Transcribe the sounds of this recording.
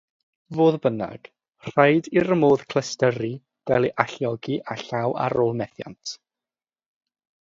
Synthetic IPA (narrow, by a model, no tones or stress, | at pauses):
voːðbəna̰ɡ̥ | r̥ajdiɾəmoːð̥kʰlˠəstəɾi | ɡ̥alˠiʔaɬjɔɡiʔaɬawa̰ɾoːlˠmɛθja̰ntʰ